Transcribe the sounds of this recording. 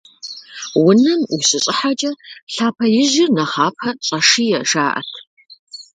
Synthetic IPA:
wʊnɐmuɕɪɕʼɪħat͡ʃʼɐɬaːpʰɐjɪʒɪrnɐχaːpʰɐɕʼɐʂijɛʂaːʔɐ̰tʰ

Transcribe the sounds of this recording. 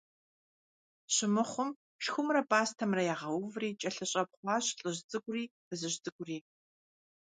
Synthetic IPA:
ɕɪmɨχʷʊm | ʃxʷʊmrɐpʼaːstʰɐmrɐjaːʁɐwʊvriːt͡ʃʼɐɬɨɕʼɐp̚χʷɑːɕɬʼɨʑt͡sʼɨɡʷriːb̥ɨzɨɕt͡sʼɨɡʷʊriː

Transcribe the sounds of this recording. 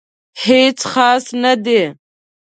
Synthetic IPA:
het͡sxɑːsnad̪e

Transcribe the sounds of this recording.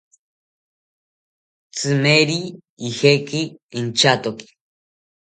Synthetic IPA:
t͡sɨmeɾi | ihekiint͡ʃat̪oki̥

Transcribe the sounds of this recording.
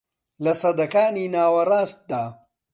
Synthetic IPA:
lɐsɐd̪ɐkaːniːnaːwɐrˤaːst̪̚d̪aː

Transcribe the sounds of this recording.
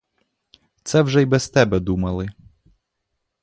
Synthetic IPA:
t̪sɛwʒɛjbɛst̪ɛbɛd̪umɐlˠɪ

